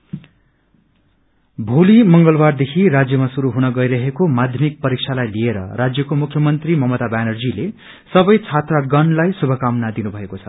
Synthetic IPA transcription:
bʱulimʌŋɡʌlbard̪ekʰirad͡zjʌmasuɾuɦunʌɡʌjɾʌɦekomad̪ʱjʌmik̚pʌɾikt͡sʰalajlieɾʌ̰rad͡zjʌkomukʰːjʌmʌnt̪rimʌmʌt̪abanʌrd͡zile | sʌbʌjt͡sʰat̪raɡʌnlajsubʱʌkamnad̪inubʱʌekot͡sʰʌ̥

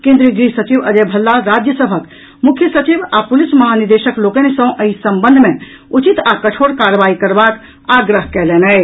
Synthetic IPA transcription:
kẽnd̪ɾiɡɾisət͡ʃiʋəd͡ʒebʱəlːaɾad͡ʒjəsəbʱək | mukʰjəsət͡ʃibapulisməɦaniɾd̪eʃəklokənesə̃ʔəisəmbənd̪ʱmẽ | ut͡ʃit̪akət͡ʃʰoɽkaɾəʋaikəɾbak | aɡɾəɦkɛlenɛ

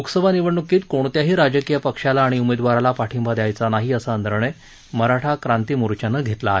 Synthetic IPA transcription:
oksəʋaniʋəɳːukiːt̪koɽ̃t̪jaɦiːɾad͡ʑəkijəpəkʂalaːɽ̃iumed̪ʋaɾalapaʈʰimbʱad̪jajt͡sanaɦiːəsaənd̪əɾɳe | məɾaʈʰakɾant̪iːmuɾut͡ɕanəɡʱet̪laːɦe

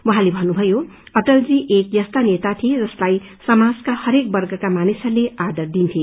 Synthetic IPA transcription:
wʌɦãlebʱʌnːubʱʌjo | ʌʈʌld͡ziʔekjʌst̪anet̪at̪ʰied͡zʌslaj | sʌmad͡zkahʌɾek̚bʌrɡʌkamanisʌlead̪ʌrd̪int̪ʰje

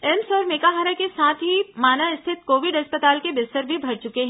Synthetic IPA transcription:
ɛmsɔːɾmeːkaɦaːɾakesaːt̪ʰɦimaːnaɪst̪ʰɪt̪koːʋɪɖɦɐspət̪aːlkebɪst̪əɾbʱibʱɐɾt͡ʃʊkeɦɛ̃ː

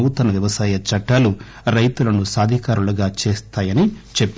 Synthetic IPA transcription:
uːt̪ɐnɐʋjɐʋɐsaːjɐt͡ʃɐʈːalu | ɾɐjt̪ulɐnusaːd̪ʱikaːɾulɐɡaːt͡ʃeːst̪aːjɐnit͡ʃepː

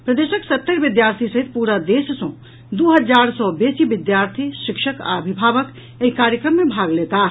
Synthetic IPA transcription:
pɾəd̪esəksət̪ːəɾbid̪jaɾt̪ʰisəɦit̪̚puɾad̪essɔ̃ | d̪uɦəd͡ʒaɾsɔbesibid̪jaɾt̪ʰiʃikʃəka̰əbʱibʱabək | eɦikaɾjəkɾəmːebʱaɡlet̪a

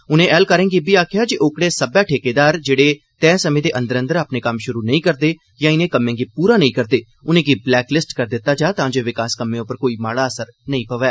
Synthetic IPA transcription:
ʊnẽːʔɛːlkəɾẽːɡibiːaːkʰɪjaːd͡ʒiʔʊkɽeːsəbɛːʈʰeːkeːd̪aːɾd͡ʒeːɽeː | t̪ɛ̃ːsəmẽːd̪eːʔə̃nd̪əɾə̃nd̪əɾaːpneːkəmʃʊɾuːnəĩːkəɾd̪eː | jãːɪnẽːkəmːẽːɡiːpuːɾaːnəĩːkəɾd̪eː | ʊnẽːɡiːblɛːklɪsʈkəɾd̪ɪt̪ːaːd͡ʒaːt̪ãːd͡ʒoːʋɪkaːskəmːẽːʊpəɾkoːiːmaːɽaːəsəɾnəĩːpəʋɛː

